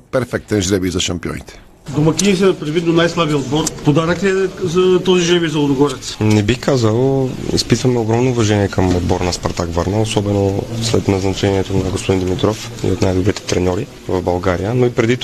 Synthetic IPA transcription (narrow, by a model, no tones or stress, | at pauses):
pɛɾfɛk̚t̪ɐ̃ʒɾɛβizɐʃɐ̃mpiõ̰j̃t̪ | d̪omɐkinisinɐpɾevit̪nonajslˠabiod̪bɔɾpod̪aɾɐkɛzɐt̪ɔziʒɾɛβizɐod̪ʊɡɔɾɛt̪snɛbixkazɐlˠḭspit̪vɐmɛoɡɾɔmnoːvɐʒɛniɛkɐmod̪̚bɔɾnɐspɐɾt̪akvaɾnɐosɔbɛnoslɛt̪nɐznɐt͡ʃɛniɛt̪onɐɡospod̪ind̪imit̪ɾɔf | ḭot̪najd̪obɾit̪ɛ̥t̪ɾɛnɔɾi | vɐvbɐlˠɡaɾijənoipɾɛd̪it̪